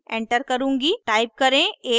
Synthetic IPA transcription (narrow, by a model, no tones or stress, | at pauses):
ẽːɳʈəɾkɐɾũːŋɡiʈaːɪp̚kɐɾẽːeː